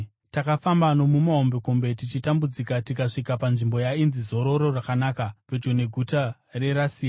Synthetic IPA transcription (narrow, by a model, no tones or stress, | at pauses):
takafambano̞mumaɦombe̞kombe̞tit͡ʃitambud͡zikatikaʂikapanʐimbo̞jainzizo̞ɾo̞ɾo̞rakanaːkape̞d͡ʒo̞ne̞ɡʱuta | re̞ɾasiːa